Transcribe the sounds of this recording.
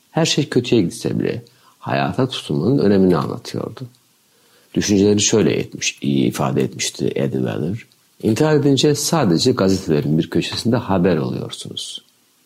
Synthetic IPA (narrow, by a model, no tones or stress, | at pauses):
hæɾʃejcʰø̞t̪ʰyjɛɟid̪sɛ̰bḭlʲɛ̰ | ha̰ja̰ːt̪ʰat̪ʰu̥t̪ʰumanɯnø̞̰ne̞minia̰nlˠa̰t̪ʰɯjo̞̰ɾd̪u | d̪̥yʃynd͡ʒelʲeɾiʃøjlʲɛ̰jɛ̰t̪mi̥ʃijiːfaːd̪ɛɛt̪mi̥ʃt̪ʰḭʔɛ̰d̪vɛ̰lˠɯɾ̥ | int̪ʰiɦaɾed̪ind͡ʒɛsaːd̪ed͡ʒɛɡazet̪ʰelʲeɾinbiɾcʰø̞t͡ʃʰe̥sind̪ɛhabæɾo̞lˠṵjo̞̰ɾsunuz̥